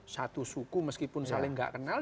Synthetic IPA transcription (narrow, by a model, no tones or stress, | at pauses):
sat̪usukuməskipʊnsalɪŋɡa̰ʔkənal